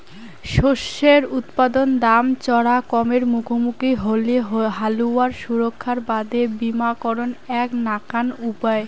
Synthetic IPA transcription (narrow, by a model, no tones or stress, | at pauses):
ʃoʃːeɾut̪pad̪ond̪amt͡ɕɔɽakɔmeɾmukʰomukiɦoleɦaluaɾʃuɾokʰːaɾbad̪ebimakɔɾonɛknakanupae